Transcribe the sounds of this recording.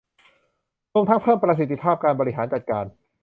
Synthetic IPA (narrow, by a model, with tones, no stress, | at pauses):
ɾu˧əmt̪ʰa˦˥ŋpʰɤː˥˩mpɾa˧s̬i˨˩t̪ʰːi˧˥pʰaː˥˩p̚kaː˧nbɔː˧i˦˥ɦaː˩˦nt͡ɕa˨˩t̪̚kaː˧n